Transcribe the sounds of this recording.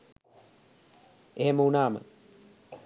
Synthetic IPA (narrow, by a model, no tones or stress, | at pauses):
eɦeməunaːmə̰